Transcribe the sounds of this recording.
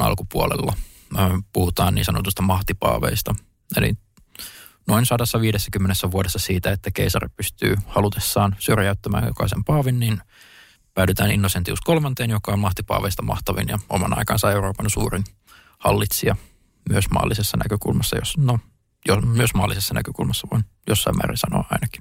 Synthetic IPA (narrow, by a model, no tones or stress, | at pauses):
ɑ̰lkupuolḛlːɑː | puhut̪ɑːnḭːsɑnot̪ust̪ɑmɑht̪ipɑ̰ːʋḛist̪ɑ | ḛlḭ | noinsɑdɑsːɑʋiːdesːækymːenesːæʋuodesːɑsiːt̪æet̪ːækeisɑrpyst̪y̰ːhɑlut̪esːɑːnsyrjæyt̪ːæmæ̰ːnjokɑ̰isempɑːʋinːin | pæydyt̪æːnḭnːosent̪iuskolmɑnt̪eːnjokɑommɑht̪ipɑ̰ːʋeist̪ɑmɑ̰ht̪ɑʋḭnjɑomɑ̰nɑ̰ikɑːnsɑeuroːpɑnsuːrin | hɑ̰lːit̪siɑ | myøsmɑ̰ːlːisesːɑnʔæ̰køkṵlmɑsːɑ̰jo̰sno | jomyøsmɑːlːisesːɑnæ̰køkulmɑsːɑʋɑ̰njosːɑimːæ̰ːrḭnsɑno̰ːɑinɑki̥